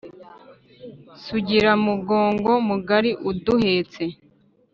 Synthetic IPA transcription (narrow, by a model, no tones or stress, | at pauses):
suɟiɾamuɡo̞ːŋɡo̞muɡaɾiʔuduhe̞t͡se